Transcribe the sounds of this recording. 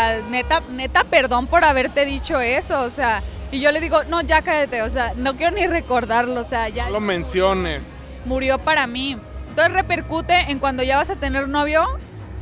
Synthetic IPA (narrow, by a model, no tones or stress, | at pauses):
net̪anet̪ape̞ɾðo̞npo̞ɾaβ̞e̞ɾt̪e̞ðit͡ʃo̞e̞so̞ːseaiʝo̞le̞ðiɣo̞no̞ʝakaet̪eos̬eano̞k̬jeɾonire̞ko̞ɾðaɾlo̞seaʝalomẽnsjo̞nes | muɾjo̞paɾami | ent̪onsere̞pe̞ɾkut̪e̞ʔeŋkwand̪o̞ʝaβasat̪e̞ne̞ɾno̞βjo̞